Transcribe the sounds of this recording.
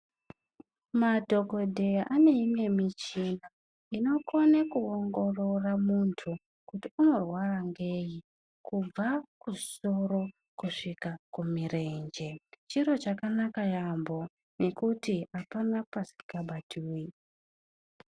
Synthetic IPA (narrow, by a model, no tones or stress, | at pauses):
madʱo̞ko̞dʱe̞jaʔane̞imwe̞mit͡ʃina | ino̞ko̞nekuoŋɡo̞ro̞ramuntʰu | kutiuno̞rwaraŋɡe̞ji | kub͡vaku̥so̞ɾo̞ | kuʂikakumire̞nd͡ʒe̞t͡ʃiɾo̞t͡ʃakanakajambo̞ | ne̞kutiapanapasi̥kaɓatʰuːi